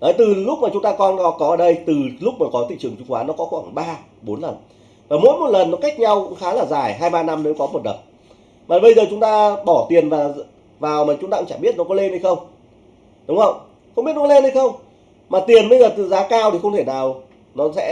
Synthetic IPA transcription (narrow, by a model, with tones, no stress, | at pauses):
ʔəː˨˦jt̪ɨ˨˩lʊ˦˥k͡p̚maː˨˩t͡ɕʊ˨˦ŋ͡mt̪aː˧kɔ˧nnɔ˨˦kɔ˨˦ʔəː˧˩ɗə˧jt̪ɨ˨˩lʊ˦˥k͡p̚mɔ˨˩kɔ˨˦t̪ḭ˧˨t͡ɕɨ˨˩əŋt͡ɕʊ˨˧˦ŋ͡mkwaː˨˦nɔ˨˦kɔ˨˦xwaː˧˩ŋɓaː˧ | ɓo˨˦nlə˨˩n | vaː˨˩mo̰˧˥jmo˨˩t̚lə˨˩nːɔ˨˦ka˦˥jk̟̚ɲa˧wkʊ̰˧˥ŋ͡mxaː˨˦laː˨˩zaː˨˩jɦaː˧jɓaː˧na˧mne˨˦wkɔ˨˦mo˨˩t̚lə̰˨˩n | maː˨˩ɓə˧jzəː˨˩t͡ɕʊ˨˦ŋ͡mt̪aː˧ɓɔ˧˩t̪i˨˩ənvaː˨˩ | vaː˨˩wmaː˨˩t͡ɕʊ˨˦ŋ͡mt̪a̰˧ŋt͡ɕaː˧˩ɓi˦˥ət̚nɔ˨˦kɔ˨˦le˧nhə˧jxə˧wŋ͡m | ɗʊ˨˦ŋ͡mhə˧˨wŋ͡m | xə˧ŋ͡mɓi˦˥ət̚nkɔ˨˦le˧nhə˧jxə˧wŋ͡m | maː˨˩t̪i˨˩ənɓə˧jzəː˨˩t̪ɨ̰˧˨zaː˨˦kaː˧wt̪ʰi˨˩xə˧ŋ͡mt̪ʰe˧˩naː˨˩w | nɔ˨˦sɛ̰˧˥